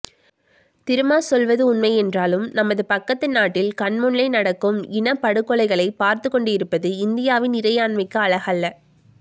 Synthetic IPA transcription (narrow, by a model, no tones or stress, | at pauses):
t̪ɪɾɯmaːsɔlʋɐðɯʊnmɐɪɛndraːlɯmnɐmːɐðɯpɐkːɐt̪ːɪnaːʈːɪlkɐɳmɯɳlɐɪnɐɽɐkːɯmɪnɐpːɐɽɯkːɔɭɐɪɣɐɭɐɪpaːɾt̪ɯkːɔɳɖɯɪɾɯpːɐðɯɪnd̪ɪjaːʋɪnɪɾɐjaːɳmɐɪkːɯɐɭɐɣɐlːɐ